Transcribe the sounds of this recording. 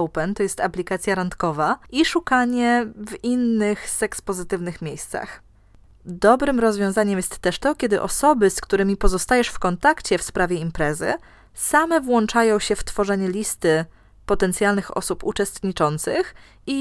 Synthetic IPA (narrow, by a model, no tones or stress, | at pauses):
wpɛnt̪ɔjɛst̪aplʲikat̪sʲjaɾant̪kɔvaʔiʂukaɲɛvinːɘxsɛkspɔzɘt̪ɘvnɘxmʲjejst̪sa̰x | d̪ɔbɾɘmɾɔzvʲjɔ̃w̃zaɲɛmjɛst̪ːɛʂt̪ɔkʲɛd̪ɘ̰ʔɔsɔbɘskt̪uɾɘmʲipɔzɔst̪ajɛʂfkɔnt̪akt͡ɕɛfspɾavʲjɛimpɾɛzɘ̰ | samɛvwɔnt͡ʂajɔ̃w̃ɕɛft̪fɔʐɛɲɛlʲist̪ɘ | pɔt̪ɛnt̪sʲjalnɘxɔ̰supṵt͡ʂɛst̪ɲit͡ʂɔnt̪sɘx | i